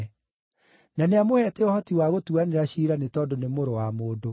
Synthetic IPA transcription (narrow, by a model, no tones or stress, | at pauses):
naneamohɛtɛɔhɔtiwaɣotuaneɾaɕiːɾanetɔdonemoɾowamoːdo